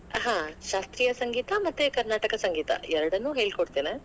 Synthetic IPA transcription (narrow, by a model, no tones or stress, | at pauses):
ɦãːʃaːst̪ɾijɐsɐŋɡiːt̪ɐmɐt̪ːekɐɾnaːʈɐkɐsɐŋɡiːt̪ɐ̰ɛɾɐɽɐnːuːɦeːɭkoɽt̪eːne